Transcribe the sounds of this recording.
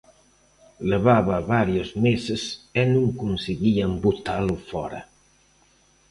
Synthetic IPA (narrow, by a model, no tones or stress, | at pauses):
leβaβaβaɾjozmezesenuŋkunseɣiambut̪alufɔɾa̰